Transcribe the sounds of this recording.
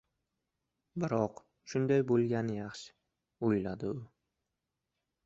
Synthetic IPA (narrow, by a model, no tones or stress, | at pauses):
bɪɾɒq | ʃʊnd̪ajbolˠɡʲanɪjɑχʃɪ̥ | ojlad̪ɪʊ